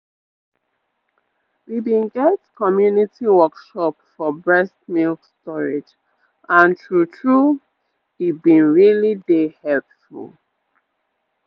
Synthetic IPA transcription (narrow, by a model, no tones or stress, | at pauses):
wibĩnɡɛtkʰɔmjunitiwɔkʃɔpfɔbɹɛstmilkstɔɹed͡ʒ | ʔãntʰɹutʰɹu | ibĩnɹilidehɛlpfṵlˠ